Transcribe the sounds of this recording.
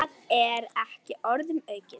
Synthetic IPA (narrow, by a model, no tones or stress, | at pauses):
ɣɛɾɛhcɪɔɾðʏmœːɥcɪ